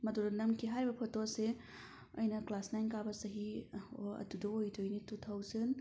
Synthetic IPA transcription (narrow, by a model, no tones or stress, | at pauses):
mɐdudɐnɐmkʰiɦaɾibɐpʰotose | ɐjnɐklasnajnkabɐsɐɦioɐ̰tudoojtʰojnitut̪ʰawzɯn